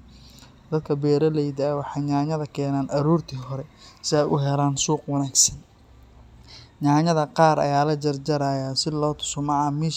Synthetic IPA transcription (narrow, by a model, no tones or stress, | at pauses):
d̪ɐd̪̚kʰɐbɛːɾɐlɛjd̪aːwɑħɑjɲaːɲɐðɐkʰɛːnaːnʔɐɾuːrt̪ʰiːɦɔɾɛsɪɛjʔʊɦɛlaːnsuːqwɑnaːɡsɐn | ɲaːɲɐðɐqɑːɾɐ̰jaːlɐd͡ʒɐrd͡ʒɐɾaːjaːsɪlɔːt̪ʰʊ̥sɔmɑamiːʃ